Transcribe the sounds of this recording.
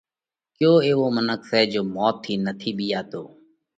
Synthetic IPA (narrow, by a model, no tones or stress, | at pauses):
kjoːeːʋoːmənəksɛːd͡ʒoːmɔːt̪ʰːiːnət̪ʰiːɓiːjaːt̪oː